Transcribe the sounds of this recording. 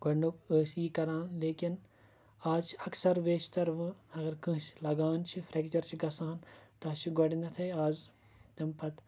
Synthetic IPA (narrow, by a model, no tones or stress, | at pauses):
ɡɐɽɳɖukəːsiːkɐɾaːnleːkin | aːzt͡ʃʰɐksɐɾʋeːt͡ʃt̪ɐɾʋɨ̃ɐɡɐɾkɨ̃ɦʃlɐɡaːnt͡ʃʰifʰɾeːkt͡ʃɐɾt͡ʃʰiɡɐsãːnt̪ɐt͡ʃʰiɡoɖind̪ɐt̪ʰɐjaːz | t̪ɐmpɐt̪